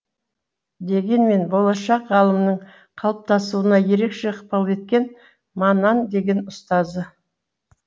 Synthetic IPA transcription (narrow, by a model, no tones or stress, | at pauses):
d̪e̞ɡʲe̞nme̞nbo̞lˠɑʃɑqʁɑlˠəmnəɴ | qʰɑlˠəp̚t̪ɑsuənɑje̞ɾe̞kʃe̞əqpɑlˠe̞t̪̚kʲe̞n | mɑnɑnd̪e̞ɡʲe̞nʊst̪ɑzə